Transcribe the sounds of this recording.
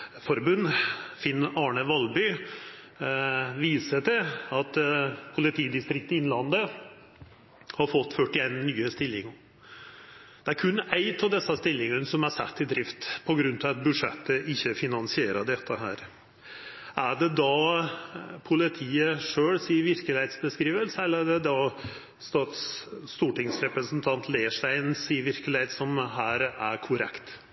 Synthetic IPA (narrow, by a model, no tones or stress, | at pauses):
fɔɾbʉnːfɪnːɑːɳəʋɑlbʏ | ʋiːsəʈ̪ɪɑt̪pʰʊlɪt̪ʰiːd̪ɪst̪ɾɪk̚t̪ɪnlɑnd̪ə | hɑɾfɔt̪ːfœʈːɪenːyːəst̪ɪlːɪŋ | d̪̥ɛæɾkʰʉnːæɪt̪ʰɑʋd̪ɛsːɑst̪ɪlːɪŋənsɔmæɾsæ̰t̪ʰːɪd̪ɾɪft̪pʰɔɡɾʉnt̪ʰɑʋɑt̪̚bʉʂɛ̰t̪ːəʔɪçːəfɪnɑnsɪeːɾəd̪ɛt̪ʰːəɦæ̰ːɾ | ʔæɖɛd̪ɑ | pʰʊlɪt̪ʰiːəʂøːɽsiːəʋɪɾkəlɪheːt̪sbəskɾiːʋəlsəɛlːəɖɛd̪ɑ | st̪ɑːt̪st̪uːʈɪŋsɾɛpɾəsn̩t̪ʰɑnt̪ʰleːʂʈæɪnsiːəɾʋɪɾkəlɪheːt̪sɔmɦæːɾæɾkʰʊɾɛ̰kt̪